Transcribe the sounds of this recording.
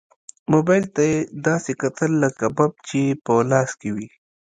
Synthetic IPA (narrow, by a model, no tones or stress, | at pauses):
mobɑjlt̪ajed̪ɑːsekat̪ʰəlːəkabab̚t͡ʃepəlɑːskewi